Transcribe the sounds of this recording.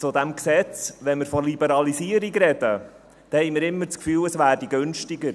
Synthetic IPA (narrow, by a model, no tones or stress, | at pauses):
t͡sʊd̪æmksɛt͡sʋɛnmɪɾfɔlibəɾɑlisiəɾiɡɾɛd̥̪ə | d̥̪ɛhɛɪjmɪɾɪmːəɾt͡skfyːləsvæːɾdiɡɵnʃtiɡəɾ